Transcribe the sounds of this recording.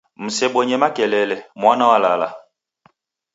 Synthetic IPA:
m̩sɛɓoɲɛmakɛlɛlɛmwanɔalala̰

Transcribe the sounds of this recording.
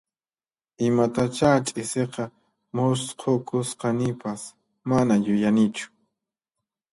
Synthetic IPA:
ɪmat̪at͡ʃat͡ʃʼɪseqɑ | mosqʰokʊsqɑnɪpas | manajʊjanɪt͡ʃʊ̥

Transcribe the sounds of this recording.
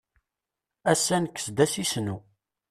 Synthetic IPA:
æsːænəkːə̥sd̪æsisnu

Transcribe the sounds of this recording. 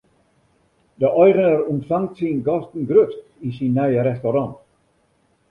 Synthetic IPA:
dəʔɔjɣənəɾumtfaŋtsinɡɔstn̩ɡrøtkinsinːœɥəɾɛstoɾɑ̃nt

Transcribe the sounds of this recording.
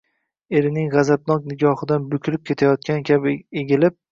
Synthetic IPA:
e̞ɾɪnɪŋʁɑzab̚nɒq̚nɪɡʲɒhɨd̪anbʊkʲʰlɪp̚kʲʰe̞t̪ʰajɒt̪̚kʲankʲʰabɪeɡʲɪlɪp̚

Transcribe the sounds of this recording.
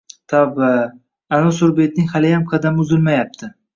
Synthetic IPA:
t̪ʰɒba | anʊsʊɾbet̪̚nɪŋhalɪjamqʰɑd̪amɪʊzɪlmajap̚t̪ʰɪ

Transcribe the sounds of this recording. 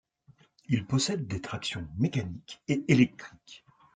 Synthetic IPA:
ilpɔsɛd̪̚ːet̪χaksjɔ̃mekanikeelɛk̚t̪χik

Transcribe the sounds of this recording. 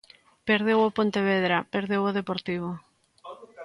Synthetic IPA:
peɾðewopont̪eβ̞eðɾapeɾðewoð̞epoɾt̪iβ̞o

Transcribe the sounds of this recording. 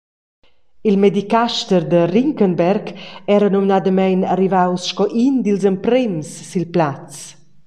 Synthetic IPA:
ilmɛd̪ikaʃt̪əɾd̪əriŋkənbɛɾɡɛɾənɔminad̪əmajnarivawsʃkɔʔind̪ilzəmpɾɛmsːilplat͡s

